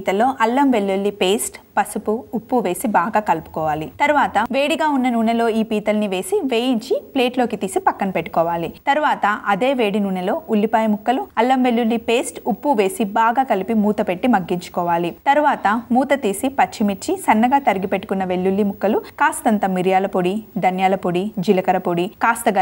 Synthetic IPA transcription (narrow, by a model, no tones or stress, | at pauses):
iːt̪ɐlːo̞ːʔɐlːɐmʋe̞ɭːuɭːipe̞ːsʈpɐsupuupːuʋe̞ːsibaːɡaːkɐlpu̥kɔːʋaːlit̪ɐɾuʋaːt̪ɐʋe̞ːɽiɡaːunːɐnuːɳɐlo̞ːiːpiːt̪ɐlɐniʋe̞ːsiʋe̞ːjiɲt͡ʃiple̞ːʈloːkit̪iːsipɐkːɐnɐpeʈːu̥kɔːʋaːlit̪ɐɾuʋaːt̪ɐʔɐd̪e̞ːʋe̞ːɽinuːɳɐlo̞ːʔulːipaːjɐmukːɐluɐlːɐmʋe̞ɭːuɭːipe̞ːsʈupːuʋe̞ːsibaːɡaːkɐlipimuːt̪ɐpe̞ʈːimɐɡːiɲt͡ʃu̥kɔːʋaːlit̪ɐɾuʋaːt̪ɐmuːt̪ɐt̪iːsipɐt͡ʃːimit͡ʃisɐnːɐɡaːt̪ɐɾiɡipe̞ʈːu̥kunːɐʋe̞ɭːulːimukːɐlukaːst̪ɐnt̪ɐmiɾijaːlɐpoɽid̪ɐnjaːlɐpoɽid͡ʒilɐkɐɾɐpoɽikaːst̪ɐɐ